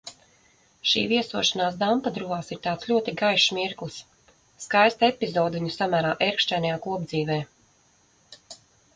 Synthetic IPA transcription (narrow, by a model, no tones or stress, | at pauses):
ʃḭːviɛsuɔʃanaːs̬d̪ampad̪ɾuvaːsiɾt̪ɑːt̪slʲuɔt̪iɡajʃmiɾklˠsː | kajst̪aɛpʲizɔːd̪viɲusamæːɾaːʔɛɾkʃt͡ʃɛːnajaːkuɔbd̪ziːvɛː